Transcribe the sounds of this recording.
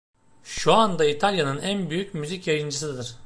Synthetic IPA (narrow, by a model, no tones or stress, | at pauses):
ʃuand̪ait̪ʰalʲjanɯnænbyjycmyzicjajɯnd͡ʒɯsɯd̪ɯɾ̥